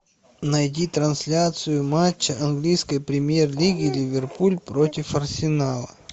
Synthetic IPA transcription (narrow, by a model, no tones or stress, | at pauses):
nɐjdʲit̪ɾɐnsʲlʲat̪sɨjʊmat͡ɕːəʔɐnɡlʲijskəjpɾʲɪmʲjerlʲiɡʲɪlʲɪvʲɪrpulʲpɾotʲɪfɐrsʲɪnalˠə